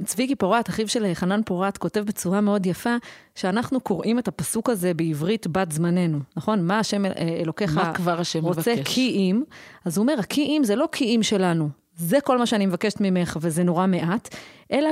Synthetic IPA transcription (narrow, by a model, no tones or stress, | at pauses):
t͡svikipoʁataχivʃe̞leχananpo̞ʁatko̞te̞vbet͡suʁameo̞djafa | ʃeanaχnuko̞ʁʔimethapasukaze̞beivʁitbatzmane̞nunaχo̞nmaːʃe̞meḛlo̞keχakvaʁaʃemʁovt͡sekʰiʔimazuome̞ʁhakʰiʔimzelokʰiimʃe̞lanu | ze̞ko̞lmaʃeanimevakeʃe̥tmime̞χve̞zeno̞ʁame̞ʔatʔe̞la